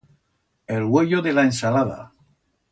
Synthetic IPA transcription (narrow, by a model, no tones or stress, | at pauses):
elɣweʎoðe̞laensalaða̰